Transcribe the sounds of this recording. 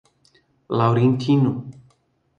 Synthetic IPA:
lawɾent̪ʰinu

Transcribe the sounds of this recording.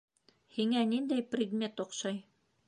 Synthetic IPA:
hiŋænind̪æjprʲɪɡ̪mʲe̞t̪ŏqʃɑj

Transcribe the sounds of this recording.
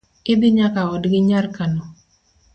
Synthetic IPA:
kɪbiɲakaɔdɡɪɲarkanɔ

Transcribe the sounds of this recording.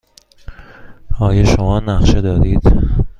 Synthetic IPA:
ɒːjɒʃomɒːnæxʃed̪ɒːd̪iːd̪̥

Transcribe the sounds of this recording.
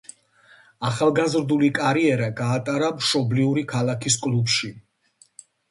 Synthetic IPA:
aχalˠɡazɾd̪ulikʼaɾiɛɾaɡaːt̪ʼaɾamʃɔbliuɾikʰalakʰiskʼlupʃi

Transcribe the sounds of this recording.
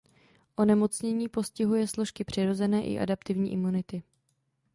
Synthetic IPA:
ʔo̞nɛmo̞t͡sɲɛɲiːpo̞scɪɦujɛslo̞ʃkɪpr̝̥ɪɾo̞zɛnɛːʔɪ̰ʔa̰dapt̪ɪvɲiːʔɪmunɪt̪ɪ

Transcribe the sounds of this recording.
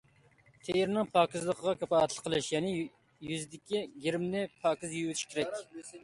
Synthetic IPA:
t̪ʰejɪɾnɪŋpʰɑːkʲizlˠəqʰəʁɑkʲʰɛpɑːɛt̪lˠə̥qʰːəlˠɨʃjɛnɪ | jyzɪd̪ɪkʲiɡʲiɾɪmnɪpʰɑːkʲizjywt̪ʰɪ̥ʃkʲeɾɛkʲ

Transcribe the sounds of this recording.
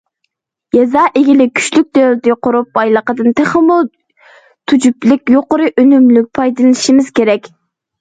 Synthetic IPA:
jɛzɑːʔeɡʲilɪkʲʰy̥ʃlyk̚ʲd̪ølt̪ɪqʊɾup̚bɑjlˠəqəd̪ɨnt̪ʰɛχɛmːulˠ | t̪ʰud͡ʒuplɪk̚ʲjoqʊɾɨʔønymlyk̚ʲpʰɑjd̪ɨlˠɨnɨʃimɪz̥kʲeɾɛkʲ

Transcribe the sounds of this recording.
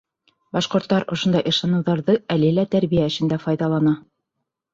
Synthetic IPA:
bɑʃqŏɾt̪ːɑɾŏʃŏnd̪ɑjʔɤ̆ʃɑnɤ̆wðɑɾðɤælɘlæt̪æɾβijæɘ̆ʃɘ̆nd̪æfɑjðɑlˠɑnɑ

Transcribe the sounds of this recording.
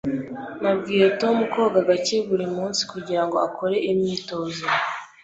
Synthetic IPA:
nabɡiːɾetomuko̞ːɡaɡace̞βuɾimuːnsi̥kuɟiɾaŋɡoakʰo̞ɾe̞ʔimɲiːto̞ːzo

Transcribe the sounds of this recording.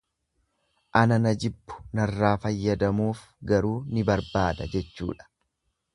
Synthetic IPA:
ʔɐnɐnɐd͡ʒɪbːʊ̥nɐrːaːfɐjːɐd̪ɐmuːf | ɡɐɾuːnɪbɐɾbaːd̪ɐ̰d͡ʒɛt͡ʃːṵːᶑɐ̥

